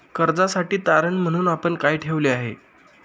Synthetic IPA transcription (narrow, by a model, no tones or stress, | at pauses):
kəɾd͡zasaʈiːt̪aɾənm̤əɽ̃uːnapəɳkajʈʰeʋleaɦḛ